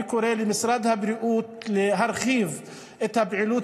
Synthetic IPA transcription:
kʊɾeːlimɪsɾˤɑd̪habɾɪʔuːt̪lɪɦaɾˤxiːv | ʔɪt̪abʕɪluː

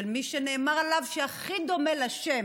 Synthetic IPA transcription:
elmiʃene̞ːmaʁalavʃeaχid̪o̞melaʃem

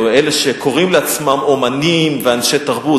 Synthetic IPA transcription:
eleʃekʰo̞ʁimleat͡smamo̞manimveanʃet̪aʁbu

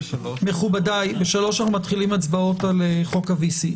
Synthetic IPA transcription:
meχubadajbe̞ʃalo̞ʃanaχnumat̪χilimat͡sbao̞taleχo̞kavisi

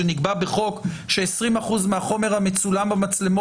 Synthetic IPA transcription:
eniɡbabeχo̞kʃeesʁimaχuzmeaχo̞me̞ʁhamet͡sulambamat͡sle̞mo

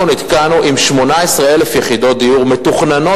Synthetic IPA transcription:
onit̪kanuʔimʃmo̞naesʁeelefjeχid̪o̞t̚d̪ijuʁmet̪uχnano

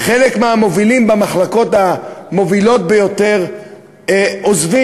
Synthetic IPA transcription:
χe̞lekmeamo̞vilimbamaχlako̞tamo̞vilo̞t̚bejo̞te̞ʁ | ozvi

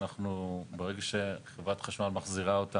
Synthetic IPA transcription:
aχnubeʁeɡaʃe̞χevʁat̪χaʃmalmaχziʁaot̪a

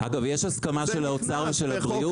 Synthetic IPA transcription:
ʔaɡavjeʃhaskamaʃe̞laot͡saʁveʃe̞lhabʁiu

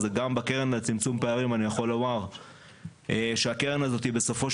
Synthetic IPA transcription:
zeɡambakeʁenlet͡simt͡sumpeaʁimanijaχo̞lomaʁ | eʃeake̞ʁenazo̞t̪ibe̞so̞fo̞ʃ

